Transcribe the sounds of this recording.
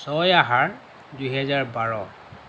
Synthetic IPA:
sɔjaɦaɹ | dujɦɛzaɹbaɹɔ

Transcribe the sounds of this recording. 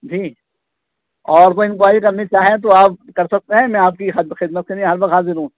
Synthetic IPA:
d͡ʒʱiː | ɔːɾʋoɪ̃nbʊaːikamit͡ʃaːɦɛ̃t̪̬oaːp̚kɐɾsɐk̚t̪eɦɛ̃mɛ̃aːp̚kixxɪd̪̚mət̪̚kenĩɦɐɾʋɐt̪ɦaːzɪɾɦũ

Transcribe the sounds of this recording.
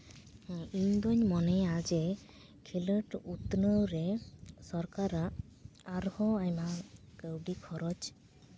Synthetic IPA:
iɲd̪ɔɲmɔnɛad͡ʒɛ | kʰiləʈut̪nəwɾɛsɔɾkaɾaʔː | ɾhɔajma | kəwɖikʰɔɾɔd͡ʒ

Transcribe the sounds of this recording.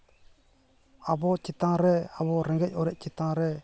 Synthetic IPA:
abɔt͡ʃit̪ãɾɛabɔɾɛ̃ŋɡɛc̚ˀɔɾɛc̚ˀt͡ʃit̪ãɾɛ

